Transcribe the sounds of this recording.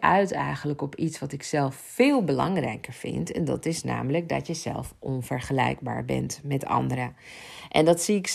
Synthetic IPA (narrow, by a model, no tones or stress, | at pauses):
ʔœɥtɛjχələkɔpitsʋɑtɪksɛlˠfːɪːlˠbəlɑŋrɛjkəɹv̥ɪ̰ntɛndɑtɪsna̰ːmələk̚dɑ̰tjəzɛ̰lˠfʔɔnv̥əɹχəlɛjɡ̚ba̰ːɹbɛ̰ntmɛtʰɑ̰ndəɾə | ʔɛndɑtsiɪk